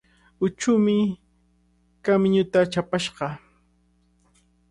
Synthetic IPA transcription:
ʊt͡ʃʊmɪ | kamɲʊt̪at͡ʃapaʃɢɑ

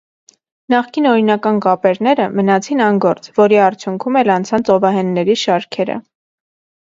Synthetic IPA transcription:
nɑχkinɔɾinɑkɑnkɑpɛɾnɛɾəmənɑt͡sʰinɑnɡɔɾt͡svɔɾiɑɾt͡sʰjuŋkʰumɛlɑnt͡sʰɑnt͡sʰɔvɑɦɛnːɛɾiʃɑɾkʰɛɾə̰

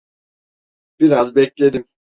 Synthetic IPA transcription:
b̥iɾazbɛclʲe̞d̪im

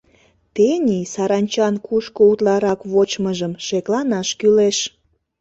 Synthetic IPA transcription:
t̪enʲisɑɾɑnʲt͡ɕɑnkuʃkout̪lɑɾɑkβot͡ɕməʒəmʃeklɑnɑʃkyleʃ

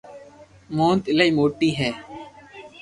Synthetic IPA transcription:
moːnt̪ɪləiːmoːʈiːɦɛː

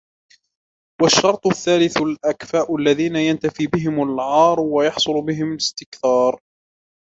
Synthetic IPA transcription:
waʃːɑɾˤt̪ˤʊθːaːlɪθlʔakfaːʔʊalːaðiːnajant̪afiːbɪɦɪmalʕɑːɾˤwajɑħsˤʊlbɪɦɪmalɪst̪ɪkθɑːɾˤ

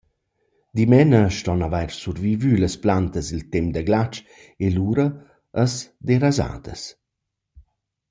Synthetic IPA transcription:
d̪imɛnəʃtɔnavajɾsurvivyləsplant̪əsilt̪ɛmd̪əɡlat͡ʃ | eluɾəː | sd̪eɾaza̰ːd̪ə̰s

